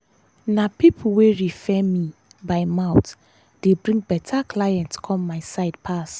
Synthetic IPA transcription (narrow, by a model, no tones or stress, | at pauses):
napipʰuweɹifɛmibaɪmaʊt | d̥ebɹĩŋɡ̚bɛtʰakʰlajɛ̃ntskʰɔ̃mːaɪsaɪd̚pʰas